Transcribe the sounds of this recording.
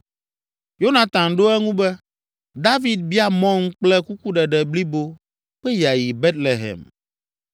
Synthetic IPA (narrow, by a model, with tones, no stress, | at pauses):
jo˦nã˨t̪ã˨ŋɖo˦ɛ˦ŋũ˦bɛ˦ | d̪a˦vi˨d̪̚bi˦a˦mɔ̃˦ŋ̩˦k͡plɛ˦ku˦ku˦ɖɛ˨ɖɛ˨bli˦bo˦ | ɸɛ˦ja˨ji˨bɛ˦t̪le˨ɦɛ̰˨m